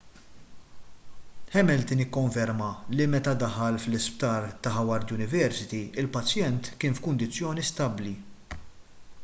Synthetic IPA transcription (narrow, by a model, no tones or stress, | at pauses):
ħɛmɛlt̪ɪnɪkːɔɱfɛɾmɐlimɛt̪ɐd̪ɐħɐlflɪsp̚t̪ɐːɾt̪ɐħɐwɐɾd̪jʊnɪvɛɾsɪt̪iɪlpɐt͡sjɛnt̪kɪːnfkʊnd̪ɪt͡sːjɔːnist̪ɐbli